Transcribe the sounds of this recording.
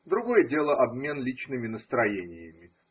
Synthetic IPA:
d̪ɾʊɡo̞jədʲe̞lˠəʔɐbmʲe̞nlʲit͡ɕnɨmʲɪnəst̪ɾɐjenʲɪjəmʲɪ

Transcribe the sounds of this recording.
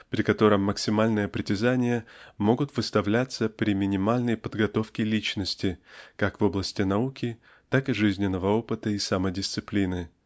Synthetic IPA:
pɾʲɪkɐt̪o̞ɾəmːəksʲɪmalʲnɨjəpɾʲɪtʲɪzanʲɪjəmo̞ɡʊt̪vɨst̪ɐvlʲat̪səpɾʲɪmʲɪnʲɪmalʲnəjpəd̪ɡɐt̪o̞fkʲɪlʲit͡ɕnəsʲtʲɪkakvo̞blˠəsʲtʲɪnɐukʲɪ | t̪akɨʐɨzʲnʲɪnːəvəo̞pɨt̪əisamədʲɪst̪sɨplʲinɨ

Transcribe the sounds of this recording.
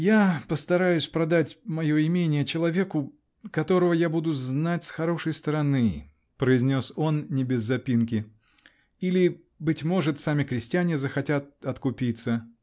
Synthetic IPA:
japəst̪ɐɾajʊsʲpɾɐd̪atʲmɐjo̞ɪmʲenʲɪjət͡ɕɪlˠɐvʲe̞kʊ | kɐt̪o̞ɾəvəjabud̪ʊznatʲsxɐɾo̞ʂəjst̪əɾɐnɨ | pɾəɪzʲnʲo̞so̞nnʲɪbʲɪzːɐpʲinkʲɪ | ilʲɪ | bɨtʲmo̞ʐɨt̪samʲɪkɾʲɪsʲtʲɪjanʲɪzəxɐtʲat̪̚ɐt̪kʊpʲit̪sə

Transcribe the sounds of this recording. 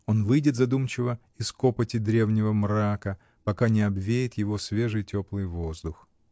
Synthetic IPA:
o̞nvɨjdʲɪt̪zɐd̪umt͡ɕɪvə | ɪsko̞pətʲɪd̪ɾʲe̞vnʲɪvəmrakə | pɐkanʲɪɐbvʲejɪt̪jɪvo̞svʲe̞ʐɨjtʲo̞plˠɨjvo̞zd̪ʊx

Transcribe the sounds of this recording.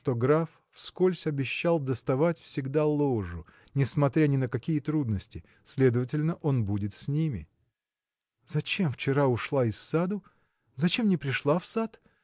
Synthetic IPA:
t̪o̞ɡɾaf | fskolʲsʲɐbʲɪɕːalˠd̪əst̪ɐvatʲfsʲɪɡd̪alˠoʐʊ | nʲɪsmɐt̪ɾʲanʲɪnəkɐkʲijət̪ɾud̪nəsʲtʲɪ | sʲlʲe̞d̪əvətʲɪlʲnəʔo̞nbudʲɪt̪sʲnʲimʲɪ̰ | zɐt͡ɕe̞mft͡ɕɪɾaʊʂlˠaɪsːad̪ʊ | zɐt͡ɕe̞mnʲɪpɾʲɪʂlˠafsat̪

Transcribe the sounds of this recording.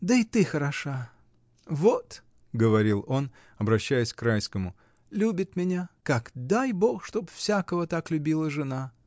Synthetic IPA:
d̪əɪt̪ɨxəɾɐʂa | vot̪ | ɡəvɐɾʲilˠo̞n | ɐbɾɐɕːæjɪsʲkɾajskəmʊ | lʲubʲɪt̪mʲɪnʲakakd̪ajbo̞xʂt̪o̞pfsʲakəvət̪aklʲʉbʲilˠəʐɨna

